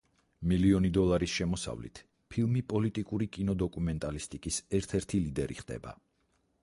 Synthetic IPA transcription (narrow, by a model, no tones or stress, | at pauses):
miliɔnid̪ɔlˠaɾisʃɛmɔsa̰vlḭt̪ʰ | pʰilˠmipʼɔlit̪ʼikʼuɾikʼinɔd̪ɔkʼumɛnt̪ʼalist̪ʼikʼisɛɾt̪ʰɛɾt̪ʰilid̪ɛɾḭχd̪̥ɛ̰ba̰